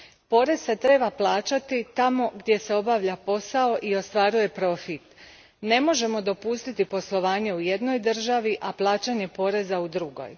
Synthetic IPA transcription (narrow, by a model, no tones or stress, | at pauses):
po̞ɾe̞z̥se̞t̪ɾe̞ːbaplˠaːt͡ɕat̪it̪amo̞ɡd̪ʲje̞se̞o̞baʋʎapo̞sao̞ʔio̞st̪ʋaːɾuje̞pɾo̞fit̪ | ne̞mo̞ʒe̞mo̞d̪o̞pust̪it̪ipo̞slˠo̞ʋaːɲe̞uje̞d̪no̞jd̪ɨr̩ʒaʋiʔaplˠaːt͡ɕaɲe̞po̞ɾe̞zaud̪ɾuɡo̞̰j